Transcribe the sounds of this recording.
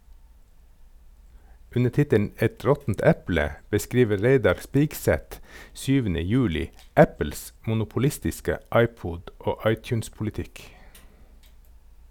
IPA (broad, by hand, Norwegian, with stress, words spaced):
ˈʉnə ˈtɪtən ˈɛt ˈɹɔtn̩t ˈæplə bəˈskiːʋə ˈɹeɪdɑɹ ˈspiːɡˌsæt ˈsyːʋənə ˈjʉːlɪ ˈʔæpl̩s mʊnʊpʊˈlɪstɪskə ˈʔɑɪˌpuːd ˈoː ˈɑɪˌtjʉːnspʊlɪˌtɪk